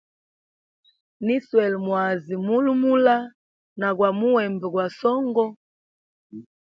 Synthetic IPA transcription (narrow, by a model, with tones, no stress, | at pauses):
ni˦swɛ˨lmwa˨zi˨mu˦lu˦mu˦la˦ | na˨ɣwa˨mu˦wɛ˨mbɛ˨ɡwa˨sɔ˦ŋɡɔ˦